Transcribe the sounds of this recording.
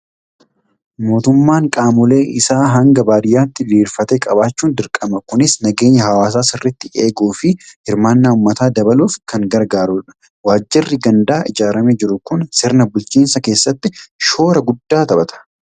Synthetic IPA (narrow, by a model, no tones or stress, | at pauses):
mo̞ːt̪ʊmːaːŋkʼaːmʊle̞ːʔɪsaːɦɐŋɡɐbaːɾɪjaːt̪ːɪliːɾfɐt̪ekʼɐbaːt͡ʃːuːnd̪ɪɾkʼɐmɐkʊnɪsnɐɡe̞ːɲːɐhɐwaːs̬aːsɪrːɪt̪ːɪʔe̞ːɡuːfɪhɪɾmaːnːaːʊmːɐt̪aːd̪ɐbɐluːfkɐŋɡɐɾɡaːɾuːᶑɐ̥ | waːd͡ʒːɪrːɪɡɐnd̪aːʔɪd͡ʒaːɾɐmeːd͡ʒɪɾʊkʊnsɪɾnɐbʊlt͡ʃiːnsɐke̞ːsːɐt̪ːɪʃo̞ːɾɐɡʊd̪ːaːt̪ɐbɐt̪ʰɐ̥